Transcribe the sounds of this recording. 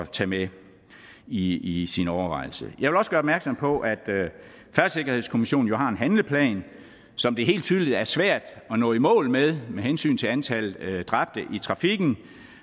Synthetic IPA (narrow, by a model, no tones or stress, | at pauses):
ɒt͡sʰɛːme | iisinɒʊɐʋɑ̈ɪ̰l̩səjɑ̈ʋelɒsəɡ̥ɶːɐɒbmæɐɡ̥sɒ̽mpʰɒ̽ʔæd̥ | fæɐ̥se̝ɡ̥ɐhe̝ðˠskʰo̝miɕo̝̰ːn̩jo̝ɦɑ̈e̝nɦænləpʰlɛ̰ːn | sɒ̽md̥e̝ɦe̝̰ːld̥t͡sʰyðˠiðæɐsʋæɐ̰d̥ɒ̽nɔ̰̽ːimɔ̰̽ːlmeðˠmeɦensy̰ːnt͡sʰe̝ænt͡sʰæl̩d̥ʁɑ̈b̥̚d̥əʔit͡sʰʁɑ̈fiɡ̥n̩